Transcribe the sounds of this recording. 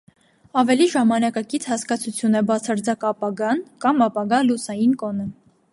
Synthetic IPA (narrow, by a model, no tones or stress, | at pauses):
ɑvɛliʒɑmɑnɑkɑkit͡sʰhɑskɑt͡sʰut͡sʰjunɛbɑt͡sʰɑɾd͡zɑkɑpɑɡɑnkɑmɑpɑɡɑlusɑjinkɔnə